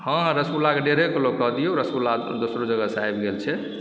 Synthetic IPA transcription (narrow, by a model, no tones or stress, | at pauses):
hə̃ɦɾəsulakeɖeɾeklokːəɦd̪ijoɾəsula | d̪osɾod͡ʒəɡəsajbɡelt͡ʃʰɛ